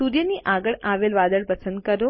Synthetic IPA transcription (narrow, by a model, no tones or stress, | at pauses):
uɾjəniʔaɡəɭaʋelʋad̪əɭpəsənd̪̚kəɾo